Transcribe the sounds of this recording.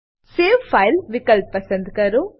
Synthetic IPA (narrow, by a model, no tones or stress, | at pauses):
seːʋpʰɐjlʋikɐlp̚ːɐsɐnd̪kɐɾu